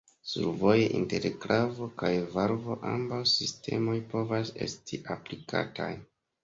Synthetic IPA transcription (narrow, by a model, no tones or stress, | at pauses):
sṵɾvo̞jeʔinte̞ɾklʔavo̞kajvaɾvo̞ʔambawsistʰe̞mo̞jpo̞vase̞stʰiʔaplikʰa̰tʰaj